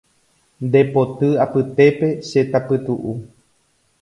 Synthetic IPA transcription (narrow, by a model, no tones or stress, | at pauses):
nd̪e̞po̞t̪ɨapɨt̪e̞pe̞ʃe̞t̪apɨt̪uʔu